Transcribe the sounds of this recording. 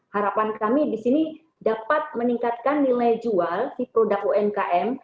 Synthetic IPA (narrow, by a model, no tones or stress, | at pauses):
haɾapankamidisini | dapat̪̚məniŋkat̪̚kanːilajd͡ʒualsipɾodak̚oɛmkaʔɛm